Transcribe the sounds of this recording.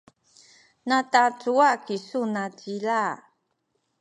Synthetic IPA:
natat͡suakisunat͡sila

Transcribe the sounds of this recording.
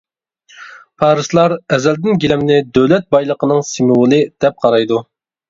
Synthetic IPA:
pʰɑːɾɨzlˠɑɾɛzɛld̪ɪnɡʲilɛmnɪd̪øwlɛt̪̚bɑjlˠəqənɨŋsimuwʊlˠɨd̪̥ɛp̚qʰɑɾɑjd̪u

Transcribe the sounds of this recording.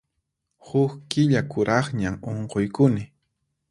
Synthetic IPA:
hʊkkɪʎakʊɾɑχɲamoɴqojkʊnɪ

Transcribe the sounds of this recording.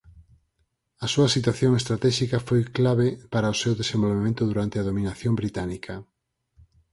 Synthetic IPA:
ɐsuɐsit̪waθjoŋest̪ɾat̪ɛʃikɐfojklaβ̞epaɾɐʊsewðesẽmbolβemẽnt̪ʊðuɾant̪eaðominaθjombɾit̪anikɐ

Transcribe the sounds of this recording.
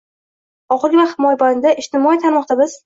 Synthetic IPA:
ɒqˠɡʲvahɪmɒjband̪aʔɪʃt̪ɪmɒit̪ʰaɾmɒq̚d̪abɪz̥

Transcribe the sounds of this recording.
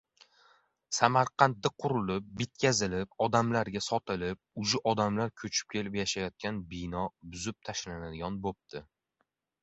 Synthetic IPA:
samaɾqʰɑnt̪̚d̪aqʰʊɾʊlɪp̚bɪt̪̚kʲʰazɪlɪp̚ɒd̪amlaɾɡʲasɒt̪ʰɪlɪp̚ʊd͡ʒɪʔɒd̪amlaɾkʲʰɵt͡ʃʰɪ̥p̚kʲʰe̞lɪpjaʃajɒt̪̚kʲanbijnɒbʊzɪp̚t̪ʰaʃlanad̪ɪɡʲɒnbop̚t̪ɪ

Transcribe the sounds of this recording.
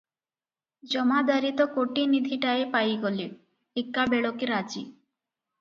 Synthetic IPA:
d͡ʑɔmad̪aɾit̪okoʈinid̪ʱiʈaepajɡoli | ikːabeɭokiɾad͡ʑi

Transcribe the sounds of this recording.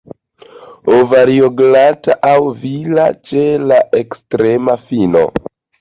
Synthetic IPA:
ovaɾioɡlataʔawvila̰t͡ʃe̞laekstɾe̞mafino̰

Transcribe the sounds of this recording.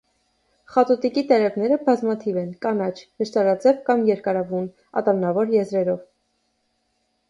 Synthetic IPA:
χɑt̪ɔt̪ikit̪ɛɾɛvnɛɾəbɑzmɑt̪ʰivɛnkɑnɑt͡ʃʰnəʃt̪ɑɾɑt͡sɛvkɑmjɛɾkɑɾɑvun | ɑ̰t̪ɑnɑvɔɾjɛzɾɛɾɔv

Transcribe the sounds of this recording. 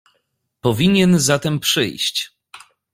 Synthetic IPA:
pɔvʲiɲɛnzat̪ɛmpʂɘ̰jɕt͡ɕ

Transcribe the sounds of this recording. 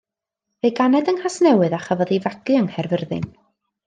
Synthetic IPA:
vejɡanɛdəŋhasnɛwɨðaχavɔðivaɡɨəŋhɛrvərðɨ̰n

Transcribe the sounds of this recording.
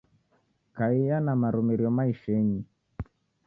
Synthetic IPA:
kaijanamaɾumiɾiɔmaiʃɛɲi

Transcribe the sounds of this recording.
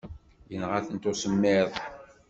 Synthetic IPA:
jənʁaθənt̪ʊsəmːɪðˤ

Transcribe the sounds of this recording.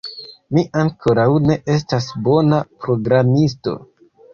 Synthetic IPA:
miʔaŋkʰo̞ɾawne̞ʔe̞s̬tasbo̞napɾo̞ɡɾamis̬to̞̰

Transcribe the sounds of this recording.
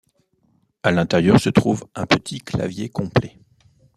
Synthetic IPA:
alɛ̃t̪ɛʁjœʁsət̪χuvɛ̃pət̪ʰikla̰vjekɔ̃plɛ

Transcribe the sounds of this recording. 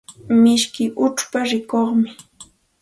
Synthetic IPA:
mɪʃkɪʔʊt͡ʃpaɾɪkoχmɪ

